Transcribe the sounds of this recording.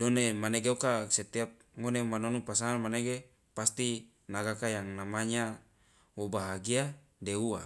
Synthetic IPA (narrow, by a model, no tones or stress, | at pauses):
donemaneɡeokaset̪iap̚ŋonemanonupasaamaneɡe | past̪i | naɡakajaŋnamaɲa | wobaɦaɡia | deua